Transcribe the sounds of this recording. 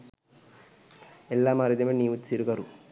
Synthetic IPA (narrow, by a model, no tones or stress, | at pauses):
elːaːmaːɾid̪ɐmeniːʋutːsiɾukɐɾu